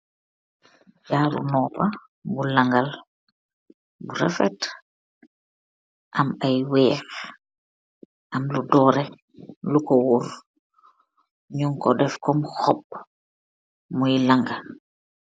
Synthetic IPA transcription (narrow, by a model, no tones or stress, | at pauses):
jaːɾṵnɔːpa | bulaŋɡal | buɾɛ̰fɛt | ʔamajwɛːx | ʔamludɔɾɛ | lukɔwuɾ | ɲuŋkɔ̰dɛfkɔmxɔb | mujlaŋɡa